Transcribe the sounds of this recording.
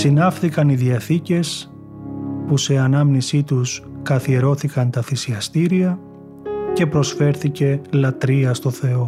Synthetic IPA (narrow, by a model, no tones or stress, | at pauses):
sinɐfθikɐniðiɐθice̞s | puse̞ɐnɐmnisit̪uskɐθie̞ɾo̞θikɐnt̪ɐθisiɐst̪iɾiɐ | ce̞pɾo̞sfe̞ɾθice̞lɐt̪ɾiɐst̪o̞θe̞o̞